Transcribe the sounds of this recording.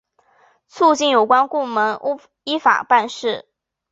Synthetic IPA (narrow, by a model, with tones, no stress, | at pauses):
t͡sʰu˥˧t͡ɕi˥˩njo˨˩ʊkwa˥nku˥˩mə˧˥ŋ˥ | i˥fa̰˨˩pa˥˧nʂɻ̩˥˩